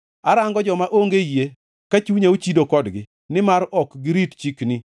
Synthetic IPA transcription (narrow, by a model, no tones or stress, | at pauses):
aɾaŋɡɔd͡ʒɔmaʔoŋɡeje | kat͡ʃuɲeot͡ʃidokɔdɡɪ | nɪmaɾɔkɡɪɾitt͡ʃikni